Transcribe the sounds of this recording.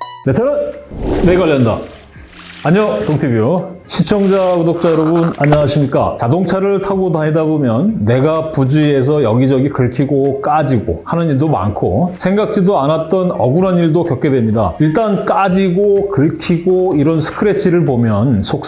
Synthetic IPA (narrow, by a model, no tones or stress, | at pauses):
net͡ɕʰaɾɯnːeɡaʎːʌnda̰ | aɲʌtoŋtʰibjuɕʰit͡ɕʰʌŋd͡ʑakudok̚t͡ɕ͈ajʌɾʌbunaɲaaɕʰimɲik͈a̰t͡ɕadoŋt͡ɕʰaɾɯɭtʰaɡodaŋɦedabomjʌnːe̞ɡapud͡ʑue̞s̬ʰʌjʌɡid͡ʑʌɡikɯɭkʰiɡok͈ad͡ʑiɡo̰hanɯniɭdoma̰nkʰo̰sʰeŋɡak̚t͡ɕ͈idoanat̚t͈ʌnʌɡuɾɦaniɭdokjʌk͈e̞dwe̞mɲida̰iɭt͈ank͈ad͡ʑiɡokɯɭkʰiɡoiɾʌnsʰɯ̥kʰɯɾe̞t͡ɕʰiɾɯɭpomjʌnsʰok̚